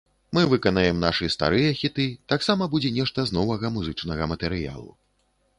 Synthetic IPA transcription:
mɨvɨkɐnɐjɛmnaʂɨst̪a̰ɾɨjɐxʲit̪ɨt̪aksamɐbud͡zʲɛnʲɛʂt̪ɐznɔvɐɣɐmuzɨt͡ʂnɐɣɐmɐt̪ɛɾɨja̰lˠṵ

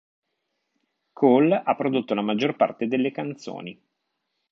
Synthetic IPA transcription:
kʰolapːɾod̪ot̪ːolamad͡ʒːorpa̰rt̪ed̪elːekant̪so̰ːni

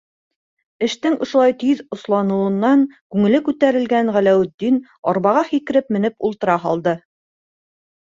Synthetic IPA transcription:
ɘ̆ʃt̪ɘŋŏʃŏlˠɑjt̪yðŏslˠɑnŭɤ̆nːɑŋkʉŋɘ̆lɘkʉt̪æɾɘ̆lɡænʁælæwɘ̆td̪ːin | ɒɾβɑʁɑχikɘ̆ɾɘpmɘ̆nɘpulˠt̪ɤ̆ɾɑɦɑlˠd̪ɤ

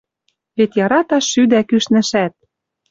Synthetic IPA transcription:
βet̪jɑɾɑt̪ɑʃːyd̪ækyʃnɘ̆ʃæt̪̚

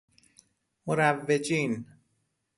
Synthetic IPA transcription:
moɾævːed͡ʒiːn

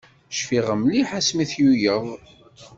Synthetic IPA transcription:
ʃfiʁəmliħasmiθjujəðˤ

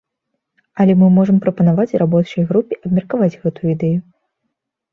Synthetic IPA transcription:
ɐlʲɛmɨmɔʐɐmpɾɐpɐnavat͡sʲrʔabɔt͡ʂɐjɣɾupʲiʔɐbmʲɐrkavad͡zʲɣɛt̪ujuid̪ɛju

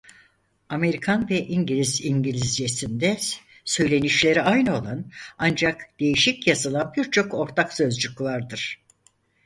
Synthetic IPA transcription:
ame̞ɾikʰanvɛʔiɲɟilʲiziɲɟilʲizd͡ʒesind̪ɛ | sø̞jlʲe̞niʃlʲe̞ɾiʔajnɯo̞lˠanand͡ʒakd̪̥e̞jiʃicjazalˠabiɾt͡ʃʰo̞ko̞ɾt̪ʰaksø̞zd͡ʒycvˠaɾd̪ɯɾ̥

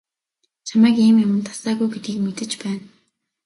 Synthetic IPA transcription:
t͡ɕʰamæːkiːmjamə̆nt̪ʰḁsæːɣujɡet̪ɡiːkmet̪ɘ̆t͡ɕpæːn

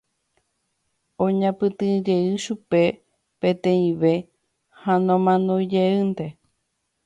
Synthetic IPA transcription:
õɲãpɨt̪ɨ̃d͡ʒe̞ɨʃupe̞ | pẽ̞t̪ẽ̞ĩʋe̞ | hanõmãnõjd͡ʒeɨnt̪e̞

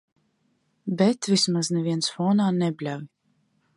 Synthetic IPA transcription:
bʲɛt̪vʲismaznɛviɛnsfɔːnaːnɛbʲlʲavi

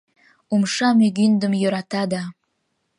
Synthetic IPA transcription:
umʃɑmyɡynd̪əmjøɾɑt̪ɑd̪ɑ

